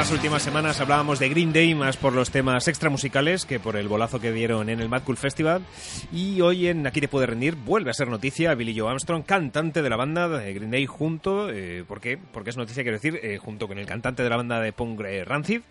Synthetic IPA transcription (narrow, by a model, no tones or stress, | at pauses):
asult̪imasːe̞mãnasaβlaβamo̞zðe̞ɣɾind̪e̞jmaspo̞ɾlo̞st̪e̞mase̞kst̪ɾamusikale̞ske̞po̞ɾe̞lβo̞laθo̞ke̞ðje̞ɾo̞ne̞ne̞lmat̪̚kulfe̞st̪iβal | io̞je̞nakit̪epwe̞ðe̞rend̪iɾbwe̞lβease̞ɾno̞t̪iθjaβiliʝoamst̪ɾo̞ŋkant̪ant̪e̞ðe̞laβ̞and̪aeɣɾind̪ejxunt̪o̞epo̞ɾke̞poɾkeeznot̪iθjakje̞θiɾexunt̪o̞ko̞nelkant̪ant̪eðelaβand̪aðe̞poŋɡɾeran̟θið